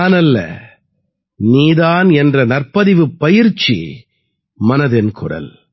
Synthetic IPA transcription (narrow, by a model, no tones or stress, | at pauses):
aːnɐlːɐ̰ | niːðaːnɛndrɐnɐɾpɐðɪʋɯpːɐjɪɾt͡ʃːḭ | mɐnɐðɪnkʰʊ̰ɽɐ̰l